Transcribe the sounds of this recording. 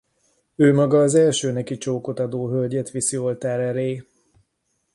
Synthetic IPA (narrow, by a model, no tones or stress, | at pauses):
øːmɒɡɒːzɛlʃøːnɛkit͡ʃoːko̞t̪ɒd̪oːɦølɟɛt̪ʋisio̞lt̪aːɾɛɾeː